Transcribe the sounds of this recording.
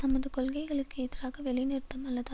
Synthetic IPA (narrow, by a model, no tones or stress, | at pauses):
t̪ɐmɐðɯkɔlɣɐɪɣɐɭɯkːɯɪðɪraːɣɐʋɛɭɪnɪɾɯt̪ːɐmɐlːɐðɯ